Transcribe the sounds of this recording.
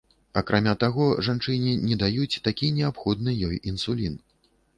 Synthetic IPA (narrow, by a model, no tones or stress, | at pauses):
akɾʔamʲat̪aɣɔʐant͡ʂɨnʲinʲɛd̪ajut͡sʲt̪akʲinʲɛapxɔd̪nɨjɔjinsulʲin